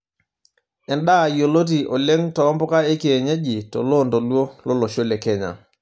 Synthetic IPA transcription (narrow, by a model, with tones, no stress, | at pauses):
ɛ˨nɗa˦˨jo˨lo˦t̬i˨ʔo˨le˦ŋtɔ˨˦mbɔ˦ka˦e˦ke˨ɲe˦ʄi˨tɔ̰˨lo˦˨nto˨lwo˦lo˦lo˨ʃo˦lɛ˨kɛ˦ɲa̰˨